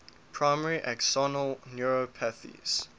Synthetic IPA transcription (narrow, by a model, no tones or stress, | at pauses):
pʰɹ̥aɪmɛɹiʔɛksɔnəlˠnjuɹopʰɛθḭz̥